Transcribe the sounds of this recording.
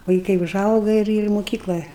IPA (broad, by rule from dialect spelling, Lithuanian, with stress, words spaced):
ʋɐɪˈkɐɪ ʊˈʒɐʊɡɐ ɪr ɪr moːˈkʲiːklˠɘ